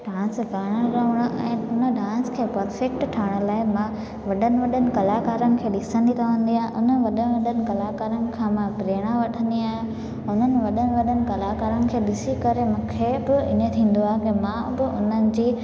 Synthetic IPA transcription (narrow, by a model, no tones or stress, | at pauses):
ɖãːsɡaːɽ̃əɾəʋəɽ̃ʊʔɛ̃ːʊnəɖʱãːskʰeːpɐɾfek̚ʈʈʰːaːɪɽ̃əlaːɪmã | ʋɐɗənɪ̆ʋɐɗənɪ̆kɐlakaːɾənɪ̆kʰeːɗɪsə̃nd̪iɾɐʋə̃nd̪iaːɦẽʔʊn̤ənɪ̆ʋɐɗənʋɐɗənɪ̆kɐlakaːɾənɪ̆kʰãːmãpɾeːɽ̃aʋɐʈʰə̃nd̪iaːɦe | ʊn̤ənɪ̆ʋɐɗənɪ̆ʋɐɗənɪ̆kɐlakaːɾənɪ̆kʰeːɗɪsikɐɾemũːkʰebɪɪnet̪ʰĩːn̆d̪oaːɦekɪmãbɪʊn̤ənɪ̆d͡ʑiː